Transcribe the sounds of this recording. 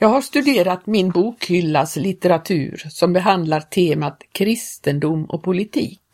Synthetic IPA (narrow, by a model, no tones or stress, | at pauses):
jɑːɡhaʂt̪ɵd̪eːɾat̪mɪnbuːkhʏlːaslɪt̪ɛɾat̪ʰʉ̟̰ːɾsɔmbɛɦand̪laɾt̪ʰeːmat̪kʰɾɪst̪ənd̪ʊmɔ̰pʰʊlɪt̪ʰḭːk